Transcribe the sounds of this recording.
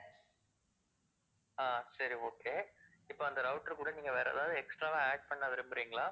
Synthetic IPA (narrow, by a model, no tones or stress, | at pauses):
aːsɐɾioːkeː | ɪpːoːɐnd̪ɐɾɐʊʈːɐɾkuːɽɐniːŋɡɐʋeːɾɐɐðaːðɯɛksʈɾaːʋãːeːɖ̚pɐɳːaʋɪɾɯmbɪɾiːŋɡɐɭaː